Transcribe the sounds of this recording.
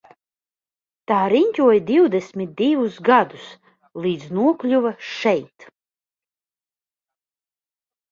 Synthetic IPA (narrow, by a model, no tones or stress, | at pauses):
t̪aːɾiɲʲcʲuɔjd̪ʲiwd̪ɛsmʲit̪̚d̪ivusɡad̪us | lˠiːd̪znuɔklʲuvaʃɛjt̪